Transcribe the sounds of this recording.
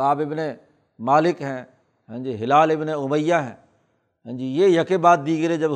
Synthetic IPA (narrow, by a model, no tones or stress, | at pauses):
aːbɪbne | maːlɪkɦɛ̃ː | ɦɛ̃ːd͡ʒiːɦɪlaːlɪbneʊməjːaːɦɛ̰̃ː | ɦɛ̃ːd͡ʒiːjeːjəkebaːt̪̚d̪iːɡəɾed͡ʒəb